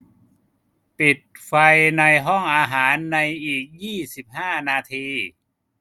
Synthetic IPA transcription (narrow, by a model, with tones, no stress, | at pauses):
pi˨˩t̪̚fa˧jna˧jɦɔ˥˩ŋʔaː˧ɦaː˩˦nːa˧jʔiː˨˩k̚jiː˥˩si˨˩p̚haː˥˩naː˧t̪ʰiː˧